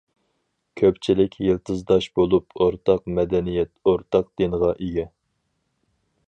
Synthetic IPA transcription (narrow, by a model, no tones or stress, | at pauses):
kʲʰøpt͡ʃʰilɪkʲʰjɨlˠt̪ʰɨzd̪ɑʃbolˠupoɾt̪ʰɑqmɛd̪ɛnijɛt̪oɾt̪ʰɑqd̪̥enəʁɑʔeɡʲɛ